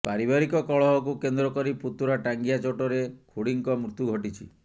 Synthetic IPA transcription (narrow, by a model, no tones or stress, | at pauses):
paɾibaɾikɔkɔɭɔɦɔkukend̪ɾɔkɔɾiput̪uɾaʈaŋɡijat͡ʃoʈɔɾekʰuɽiŋkɔmɾut̪juɡʱɔʈit͡ʃʰḭ